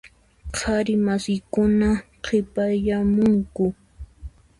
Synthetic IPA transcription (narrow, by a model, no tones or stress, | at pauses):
qʰaɾɪmasɪjkʊnaqʰɪpajamʊŋkʊ